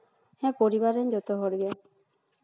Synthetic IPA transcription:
hɛ̃poɾibaɾend͡ʒɔt̪ɔɦɔɾɡe

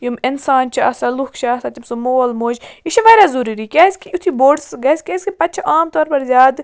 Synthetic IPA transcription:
jumɪnsaːnt͡ʃʰɐɐsɐlukʰt͡ʃaːsat̪ʲimsumoːlmoːd͡ʒiʃɐʋɐjɾazuɾiɾikʲaːsʲkʰiut̪ʰiboːɖsɡɐsʲkʲeːsʲkipɐt̪̚ːt͡ʃʰʔaːmt̪ɔːɾpɐɾzʲjaːd̪

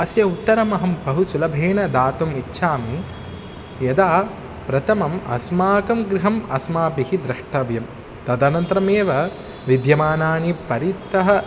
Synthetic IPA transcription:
ɐsjɐut̪ːɐɾɐmɐɦɐmbɐɦusulɐbʱeːɳɐd̪aːt̪ɐmitːʃʰaːmi | jɐd̪aː | pɾɐt̪ʰɐmɐmɐ̰smaːkɐmɡɾiɦɐmɐsmaːpihid̪ɾɐʂʈʰɐʋjɐm | t̪ɐd̪ɐnɐnt̪ɾɐmeːʋɐ | ʋid̪jɐmaːnaːɳipɐɾit̪ːɐɦɐ̆

